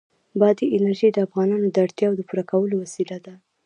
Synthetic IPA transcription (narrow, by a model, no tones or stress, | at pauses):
bɑd̪iɪnaɾʒid̪əafɣɑnɑnod̪əaɽt̪jɑwd̪əpuɾakawəlowasilad̪a